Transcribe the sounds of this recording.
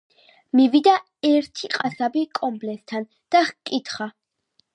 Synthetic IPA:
mivid̪a | ɛɾt̪ʰiqʼasabikʼɔmblɛst̪ʰan | d̪̥aχkʼit̪ʰχa

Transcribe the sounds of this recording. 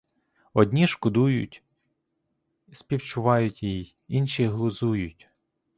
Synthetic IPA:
ɔd̪ʲnʲiʃkʊd̪ujʊ̰tʲ | sʲpʲiwt͡ʃʊʋɑjʊtʲji | inʃiɦlˠʊzujʊtʲ

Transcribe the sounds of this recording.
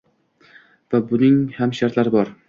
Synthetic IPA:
v̥abʊnɪŋhamʃaɾt̪laɾɪbɒɾ

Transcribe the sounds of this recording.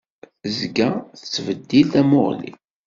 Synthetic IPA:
zɡæθət͡sːvəd̪ːilt̪æmo̰ʁlḭ

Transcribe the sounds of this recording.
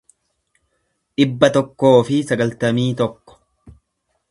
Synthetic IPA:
ᶑɪbːɐt̪ɔkːo̞ːfɪsɐɡɐlt̪ɐmiːt̪ɔkːɔ̥

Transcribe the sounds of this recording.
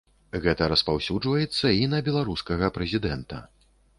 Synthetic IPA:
ɣɛt̪ɐɾɐspawsʲud͡ʐvɐjɛt̪sːɐinɐbʲɛlˠaɾuskɐɣɐpɾɛzʲid̪ɛnt̪ɐ̰

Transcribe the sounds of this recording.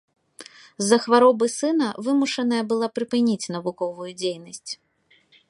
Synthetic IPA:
zːɐxvaɾɔbɨsɨnɐvɨmuʂɐnɐjɐbɨlˠapɾɨpɨnʲit͡sʲnɐvukɔvujud͡zʲejnɐsʲt͡sʲ

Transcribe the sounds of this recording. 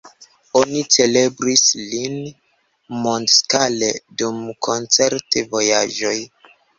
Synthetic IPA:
o̞nit͡se̞le̞bɾislin | mondskaledumkʰo̞nt͡se̞ɾtevo̞jaʒo̞j

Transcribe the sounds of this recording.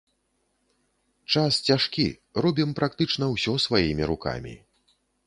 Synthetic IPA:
t͡ʂast͡sʲaʂkʲḭ | rɔbʲimpɾakt̪ɨt͡ʂnɐwsʲɔsvajimʲiɾuka̰mʲḭ

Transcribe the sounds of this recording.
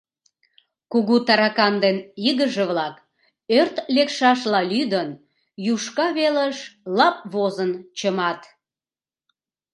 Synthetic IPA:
kuɣut̪ɑɾɑkɑnd̪eniɣəʒeβlɑk | ørt̪lekʃɑʃlɑlyd̪ən | juʃkɑβeləʃlɑp̚βozənt͡ɕəmɑt̪

